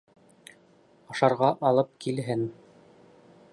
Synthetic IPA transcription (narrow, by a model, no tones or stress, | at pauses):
ɑʃɑɾʁɑʔɑlˠɤp̚kʰilɦɘn